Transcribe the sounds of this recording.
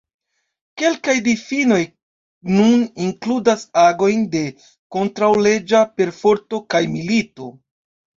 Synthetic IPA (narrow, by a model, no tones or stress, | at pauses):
ke̞lkajdifino̞j | nuniŋkludasaɡo̞jnde̞ | ko̞ntɾawle̞d͡ʒape̞ɾfo̞ɾto̞kajmilito̞